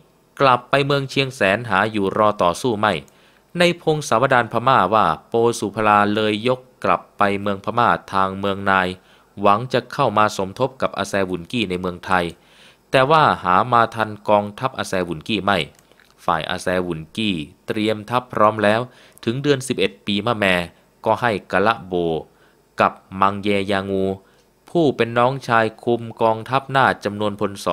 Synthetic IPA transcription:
kla˨˩pːa˧jmɯ˧əŋt͡ɕʰi˧əŋsɛː˩˦nɦaː˩˦juː˨˩ɾɔː˧t̪ɔː˨˩suː˥˩ma˥˩j | na˧jpʰo˧ŋsaː˩˦wa˧daː˧npʰaː˧maː˥˩waː˥˩poː˧suː˨˩pʰa˧laː˧lɤː˧jːo˦˥kːla̰˨˩pːa˧jmɯ˧əŋpʰaː˧maː˥˩t̪ʰaː˧ŋmɯ˧əŋnaː˧j | wa˩˦ŋt͡ɕa˨˩kʰa˥˩wmaː˧so˩˦mt̪ʰo˦˥p̚ka˨˩p̚ʔa̰ː˧sɛː˧wu˨˩nkiː˥˩na˧jmɯ˧əŋt̪ʰa˧j | t̪ɛː˨˩waː˥˩haː˩˦maː˧t̪ʰa˧nkɔː˧ŋt̪ʰa˦˥p̚ʔaː˧sɛː˧wu˨˩˦nkiː˥˩ma˥˩j | fa̰ː˨˩jʔa̰ː˧sɛː˧wu˨˩˦nkiː˥˩t̪ɾi˧əmt̪ʰa˦˥pʰːɾɔː˦˥mlɛː˦˥w | t̪ʰɯ˩˦ŋdɯ˧ənsi˨˩p̚ʔe˨˩t̪̚piː˧maː˥˩mɛː˧ | kɔː˥˩ha˥˩jkaː˧la˦˥ʔboː˧ | ka˨˩p̚ma˧ŋjɛː˧jaː˧ŋuː˧ | pʰuː˥˩pe˧nːɔː˦˥ŋt͡ɕʰaː˧jkʰu˧mkɔː˧ŋt̪ʰa˦˥p̚naː˥˩t͡ɕa˧mnu˧ənpʰo˧nsɔː˨˦

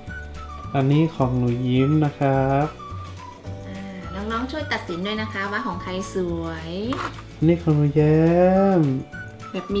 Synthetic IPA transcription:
ʔa˧nːiː˦˥˨kʰɔː˩˦ŋnuː˨˩˦ji˦˥mna˦˥kʰɾa˦˥p̚ | ʔaː˧˩nɔː˦˥ŋnɔː˦˥˩ŋt͡ɕʰu˥˩əjt̪a˨˩t̪̚si˨˩˦ndo˧jna˦˥kʰa˦˥waː˧˥˩kʰɔː˩˦ŋkʰa˧jsu˨˩əj | ʔa˧nːiː˦˥˩kʰɔː˨˩˦ŋnuː˩˦jɛː˦m | bɛː˨˩p̚mː˧

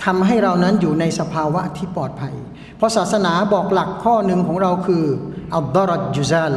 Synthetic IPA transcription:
t̪ʰa˧mɦa˥˩jɾa˧wna˦˥njuː˨˩na˧jsa˧pʰaː˧wa˦˥t̪ʰiː˥˩pɔː˨˩t̪̚pʰa˧j | pʰɔ˦˥saː˨˩t̪̚sa˧naː˩˦bɔː˨˩k̚la˨˩kʰːɔː˥˩nɯ˧ŋkʰɔː˩˦ŋɾa˧wkʰɯː˧ʔa˧d̪ɔ˦˥ɾt̪̚d͡ʒu˧zaː˥˩l

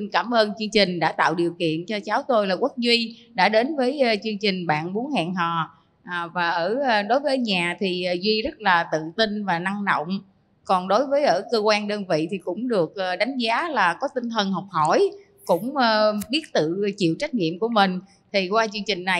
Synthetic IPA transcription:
nkaː˧˩mʔəː˧nt͡ɕɨ˧ŋt͡ɕï˨˩ŋ̟ɗa̰ː˧˥t̪a̰ː˧˨wɗi˨˩əwkḭ˧˨ənt͡ɕɔ˧t͡ɕaː˨˦wt̪o˧jlaː˨˩kwə˦˥k̚zwi˧ɗa̰ː˧˥ɗe˨˦nvəː˨˦jt͡ɕɨ˧əŋt͡ɕï˨˩ŋ̟ɓa̰ː˧˨nɓu˨˦ənha̰ː˧˨ŋɦɔ̰˨˩˨ | vaː˨˩ʔəː˧˩˨ɗo˨˦jvəː˨˦˧ɲaː˨˩t̪ʰi˨˩ʔzwi˧zə˦˥t̚laː˨˩t̪ɨ̰˧˨ŋt̪i˧nvaː˨˩na˧ŋɗo̰˧˨wŋ͡m | kɔ˨˩nɗo˨˦jvəː˨˦jʔəː˧˩kəː˧kwaː˧nɗəː˧nvḭ˧˨t̪ʰi˨˩kʊ̰˧˥ŋ͡mɗɨ˨˩ək̚ʔɗa˨˦jŋ̟zaː˨˦laː˨˩kɔ˨˦t̪ï˧ŋt̪ʰə˨˩nɦɔ˨˩wk͡p̚hɔ˧˩j | kʊ̰˧˥ŋ͡mːɓi˦˥ət̚t̪ɨ̰˧˨t͡ɕḭ˧˨wt͡ɕa˦˥k̟̚ŋḭ˧˨əmku˧˩əmï˨˩ŋ̟ | t̪ʰi˨˩kwaː˧t͡ɕɨ˧əŋt͡ɕï˨˩ŋ̟na˨˩j

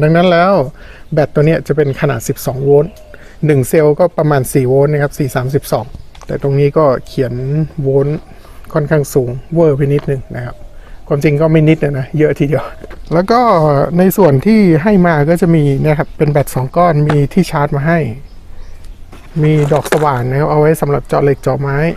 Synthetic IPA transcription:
da˧ŋna˦˥nlɛː˦˥w | bɛː˨˩t̪ːu˧ŋni˦˥ɐt͡ɕa˨˩pe˧nkʰa˧naː˨t̪̚si˨˩p̚sɔː˩˦ŋwoː˦˥nː | ɯ˨˩ŋse˧wkɔː˥˩pɾa˧maː˧nsiː˨˩woː˦˥nːa˧˩kʰa˦˥p̚siː˨˩saː˩˦ms̬i˨˩p̚sɔ̰ː˩˦ŋ | t̪ɛː˨˩t̪o˧ŋniː˦˥kɔː˥˩kʰi˩˦ənwoː˦˥n | kʰɔ˥˩nkʰaː˥˩ŋsuː˩˦ŋwɤː˧˩pʰa˧˥˩ni˦˥t̪̚nɯ˨˩ŋna˦˥˩kʰa˦˥p̚kʰwaː˧mt͡ɕi˧ŋkɔː˥˩ma˥˩jni˦˥t̪̚na˧˩na˦˥jɤ˦˥ʔt̪ʰiː˧di˧ə˧wlɛː˦˥wkɔː˥˩na˧jsu˨˩ənt̪ʰiː˥˩ɦa˥˩jmaː˧kɔː˥˩t͡ɕa˨˩miː˧na˥˩˨kʰa˦˥pːe˧nbɛː˨˩t̪̚sɔː˩˦ŋkɔː˥˩nmiː˧t̪ʰiː˥˩t͡ɕʰaː˦˥t̪̚maː˧ɦa˥˩j | miː˧dɔː˨˩k̚sa˧waː˨˩nna˧˥kʰa˦˥p̚ʔa˧wa˦˥jsa˩˦mɾa˨˩p̚t͡ɕɔ̰ː˨˩le˨˩k̚t͡ɕɔː˨˩maː˦˥j

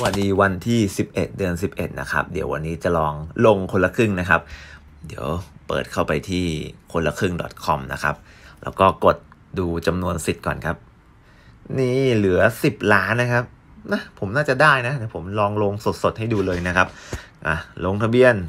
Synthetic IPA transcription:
sa˧wa˨˩diː˧wa˧nt̪ʰiː˥˩si˨˩p̚ʔe˨˩t̪̚dɯ˧ənsi˨˩p̚ʔe˨˩t̪̚na̰˦˥kʰa̰˦˥p̚dḭ˨˩˦əwʔa̰˧nːiː˦˥t͡ɕa˨˩lɔː˧ŋlo˧ŋkʰo˧la˧kʰɯ˥˩ŋna˦˥kʰa˦˥p̚ | di˩˦əwpɤ̰ː˨˩t̪̚kʰa˥˩wpa˧jt̪ʰiː˥˩kʰo˧nla˧kʰɯ˥˩ŋdɔ̰˨˩t̪̚kʰɔ˧mna̰˦˥kʰa̰˦˥p̚lɛ̰ː˦˥wkɔː˥˩ko˨˩t̪̚ | duː˧t͡ɕa˧mnu˧ənsi˨˩t̪̚kɔ̰ː˨˩nkʰa˦˥p̚ | niː˥˩lɯ˩˦ɐsi˨˩p̚laː˦˥nːa˦˥kʰa˦˥p̚ | na˦˥pʰo˩˦mnaː˥˩t͡ɕa˨˩daː˥˩jna˦˥t̪ɛː˨˩pʰo˩˦mlɔː˧ŋlo˧ŋso˨˩t̪̚so˨˩t̪̚ha˥˩jduː˧lɤː˧jna˦˥kʰa˦˥p̚ʔa˨˩lo˧ŋt̪ʰa˧bi˧ən

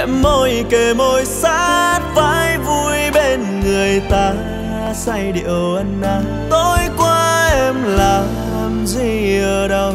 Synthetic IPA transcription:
ʔɛ̰˧˦mːo˧jke˧˩mo˧jsa̰˧˥t̚faː˧˦jvu˧jɓe˧nŋɨ˨˩əjt̪aː˧ | sa˧jɗḭ˧˨ə˨wʔə˧nʔaː˧˩ | t̪o˧jkwaː˧ʔɛ˧mlaː˨˩ | ɛ˧mzi˧˨˩əɗə˧w

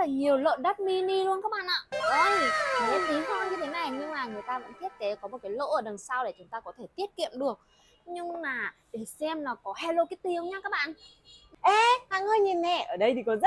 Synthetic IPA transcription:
laː˨˩ɲi˨˩əwlə̰ː˧˨nɗa˦˥t̚mi˧ni˧lu˧ənkaː˦˥k̚ɓa̰ː˧˨nʔa̰ː˧˨ɗə˧jzə˨˦ʔ̪i˨˦hə˧ɲɨ˧˩t̪ʰe˨˦na˨˩jɲɨ˧ŋmaː˨˩ŋɨ˨˩əjt̪aː˧və̰˧˥nt̪i˦˥ət̚ke˨˦kɔ˨˦mo˨˩t̚kaː˨˦jlo̰˧˨ʔəː˧˩ɗə˨˩nsa˧wɗe˧˩t͡ɕʊ˨˦ŋ͡mt̪aː˧kɔ˨˦t̪ʰe˧˩t̪i˦˥ət̚kḭ˧˨əmɗɨ˨˩ək̚ | ɲɨ˧ŋmaː˨˩ɗe˧˩sɛ˧mlaː˨˩kɔ˨˦hɛ˧lo˧ki˦˥t̪i˨˧˩ə˨wɲaː˨˦kaː˦˥k̚ɓa̰ː˧˨n | ʔɛ˧ha̰˧˨ŋəː˧jɲi˨˩nmɛ˧˨˩ʔəː˧˩ɗə˧jt̪ʰi˨˩kɔ˨˦zə˦˥

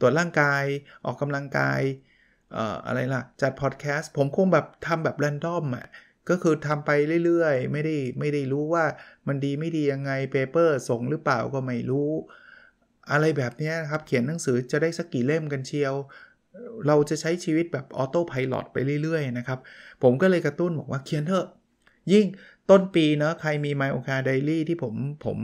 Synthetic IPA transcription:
t̪u˨˩ət̪̚ɾaː˥˩ŋkaː˧jʔɔː˨˩kːa˧mla˧ŋka̰ː˧j | ʔə̰ː˨˩ʔa̰˧ɾa˧jla˨˩t͡ɕa˨˩t̪̚pʰɔː˨˩t̪̚kʰɛː˦˥st̪̚pʰo˩˦mkʰo˧ŋbɛː˨˩p̚t̪ʰa˧mbɛː˨˩p̚lɛː˧ndɔ˥˩mːa̰˨˩ʔ | kɔː˥˩kʰɯː˧t̪ʰa˧mpa˧jɾɯ˥˩jɾɯ˥˩əjma˥˩jda˥˩jma˥˩jda˥˩jɾuː˦˥waː˥˩ma˧ndiː˧ma˥˩jdiː˧ja˧ŋːa˧jpeː˧pɤː˥˩so˨˩ŋɾɯː˦˥plaː˨˩wkɔː˥˩ma˥˩jɾuː˦˥ | ʔa˧ɾa˧jbɛː˨˩p̚ni˦˥ɐna˦˥kʰa˦˥p̚kʰi˨˩˦nːa˩˦ŋsɯː˩˦t͡ɕa˨˩daː˥˩jsa˦˥kːiː˨˩le˥˩mka˧nt͡ɕʰi˧əw | ɾa˧wt͡ɕa˨˩t͡ɕʰa˦˥jt͡ɕʰiː˧wi˦˥t̪̚bɛː˨˩p̚ʔɔ˧t̪oː˥˩pʰa˧jlɔ̰˨˩t̪̚pa˧jɾɯ˥˩˨jɾɯ˥˩əjna˦˥kʰa˦˥p̚pʰːo˩˦mkɔː˥˩lɤː˧jkɾa˧t̪u˥˩nbɔː˨˩k̚waː˥˩kʰi˨˩˦ənt̪ʰɤː˧˩ | ji˥˩ŋt̪o˥˩npiː˧nɔ˦˥kʰa˧jmiː˧maː˧jʔoː˧kaː˧da˧jliː˥˩t̪ʰiː˥˩pʰo˩˦mpʰo̰˩˦m

